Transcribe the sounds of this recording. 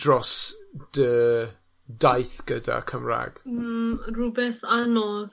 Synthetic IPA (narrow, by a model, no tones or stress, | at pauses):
d̥rɔsd̥ə | dajθɡ̥əda̰kʰəmra̰ːɡ̥̩ | rubɛθanɔð